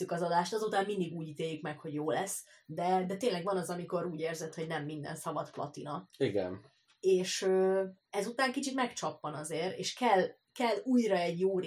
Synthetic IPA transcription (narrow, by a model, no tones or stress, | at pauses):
ykɒzɒd̪aːʃt̪ɒzuːt̪aːmmind̪iɡuːɟit̪eːjːykmɛkho̞ɟjoːlɛsːd̪ɛd̪ɛt̪eːnlɛɡʋɒnɒzɒmiko̞ɾuːɟeːrzɛt̪ho̞ɟnɛmːind̪ɛ̰nsɒvɒt̪plɒ̰t̪inɒiɡɛ̰n | eːʃøː | ɛzut̪aːŋkit͡ʃit̪mɛkt͡ʃɒpːɒnɒzeːɾḛːʃkɛl | kɛlːuːjrɒɛɟjoːɾ